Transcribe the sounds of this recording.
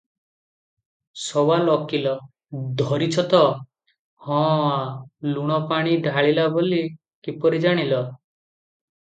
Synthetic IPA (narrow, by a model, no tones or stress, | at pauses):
sɔwalɔkilɔ | d̪ʱɔɾit͡ʃʰɔt̪ɔ | hɔ̃aluɽ̃ɔpaɽ̃iɖʱaɭilaboli | kipɔɾid͡ʒaɽ̃ilɔ